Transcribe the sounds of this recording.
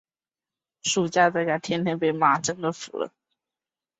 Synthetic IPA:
ʂu˨˩t͡ɕja˥˧t͡sa˥˩ɪt͡ɕja˥˩t̪ʰjɛ˥nt̪ʰjɛ˥npe˥˩ɪma˨˩ʈ͡ʂə˥ŋd̪ə˨fṵ˨˩lə̰˧˥˦

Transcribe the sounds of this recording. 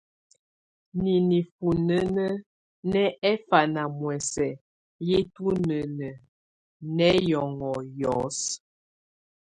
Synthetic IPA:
ni˨ni˨fu˨nə˦nə˦ | nɛ˦ɛ˦fa˨na˨mwɛ˨sɛ˨ | je˦tu˦nə˨nə˨ | nɛ˦jɔ˨ŋɔ˨jɔ˨˦s

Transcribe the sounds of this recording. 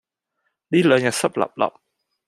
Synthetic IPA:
ɗi˧˩lə˨˦nɲa˨˩sə˦˥p̚la̰˨˩p̚la̰˨˩p̚

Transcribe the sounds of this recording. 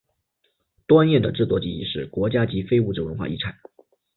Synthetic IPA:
t̪wa˥njɛ˥˩d̪ə̰˩ʈ͡ʂɻ̩˥˩t͡swɔ˥˩t͡ɕḭ˧˥˩ḭ˧ʂɻ̩˥˩kwɔ˧˥t͡ɕja˥t͡ɕi˧˥fe˥ɪu˥˩ʈ͡ʂɻ̩˥˩wə˧˥nxwa̰˥˧i˥˩ʈ͡ʂʰa˨˩˦

